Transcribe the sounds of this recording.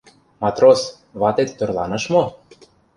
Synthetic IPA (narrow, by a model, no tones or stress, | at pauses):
mɑt̪ros | βɑt̪et̪ːŏrlˠɑnɤ̆ʃmo